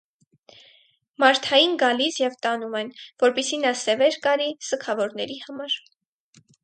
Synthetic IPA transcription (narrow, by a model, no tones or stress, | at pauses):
mɑɾt̪ʰɑjinɡɑlisjɛvt̪ɑnumɛnvɔɾpisinɑsɛvɛɾkɑɾisəkʰɑvɔɾnɛɾihɑmɑɾ